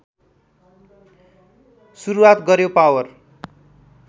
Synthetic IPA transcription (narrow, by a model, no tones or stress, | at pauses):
suɾuwat̪ɡʌɾjopawʌr